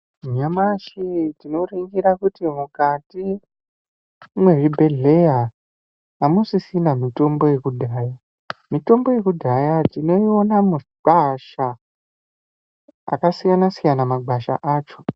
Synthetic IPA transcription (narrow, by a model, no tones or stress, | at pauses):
ɲamaʃitino̞riŋɡiɾakutimukati | mwe̞ʐibʱe̞ɮe̞jaː | musisinamito̞mbo̞je̞kudʱaːja | mito̞mbo̞je̞kudʱajatino̞io̞namuɡ͡baʃa | a̰kasijanasijanamaɡ͡bʱaʃa̰ʔaːt͡ʃo̞